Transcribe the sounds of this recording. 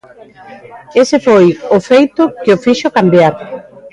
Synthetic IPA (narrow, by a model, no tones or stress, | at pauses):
esɪfojofejt̪ʊkɪʊfiʃokambjaɾ